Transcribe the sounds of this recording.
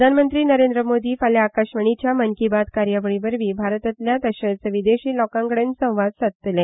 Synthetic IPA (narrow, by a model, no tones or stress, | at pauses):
d̪ʱanmənt̪ɾiːnəɾend̪ɾəmod̪iːfaljaːkaɕʋəɳ̃it͡ɕjaməŋkibat̪kaɾjaʋəɭibəɾʋiːbʱaɾət̪ət̪ljat̪əɕəɭt͡səʋid̪eɕiːlɔkãŋkəɽensə̃w̃ʋad̪sat̪t̪lẽ